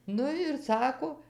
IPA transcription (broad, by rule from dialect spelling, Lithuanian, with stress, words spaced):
ˈnʊ ɪr ˈsɑːkoː